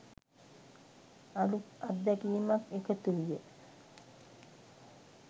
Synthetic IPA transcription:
alukad̪ːakijmakekət̪uʋijə

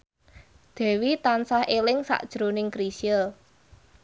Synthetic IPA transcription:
d̪̥ɛ̤wit̪ansahelɪŋsa̰ʔd̥ʒ̥ɾonɪŋkɾisiəl

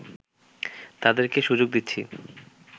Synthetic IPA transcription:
t̪ad̪eɾkeʃud͡ʑoɡ̚d̪it̪ːɕʰi

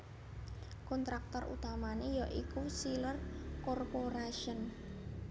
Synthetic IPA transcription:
kɔnt̪ɾak̚t̪ɔrṵt̪amanejɔʔikusilərkɔrpoɾaʃiən

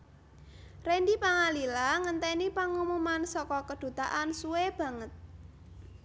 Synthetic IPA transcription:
rendipaŋalilaŋənt̪ɛnipaŋumumansɔkɔkəd̪̥ṳt̪aʔansuweb̥ä̤ŋət̪̚

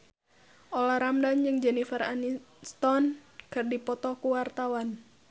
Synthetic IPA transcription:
ʔɔlaɾamdand͡ʒɨŋd͡ʒɛnifəɾanist̪ɔnkɨrdipɔt̪ɔkuwart̪awan

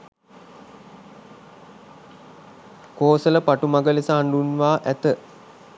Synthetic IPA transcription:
koːsələpaʈumaɡəlesəɦaɳɖunʋaːʔæt̪ə

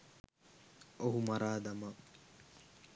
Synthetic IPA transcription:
oɦumɐɾaːd̪ɐmɐ

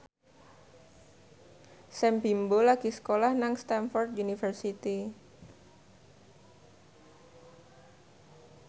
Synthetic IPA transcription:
sɛmpimbolakisə̥kolahnaŋst̪anfɔrd̪̚unifərsit̪i

